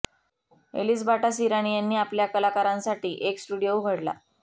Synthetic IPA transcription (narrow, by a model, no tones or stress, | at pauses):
ḛliːsbʱaʈasiɾaɽ̃ijanːiːapljakəlakaɾãnsaʈiːʔeksʈuɽijouɡʱəɽla̰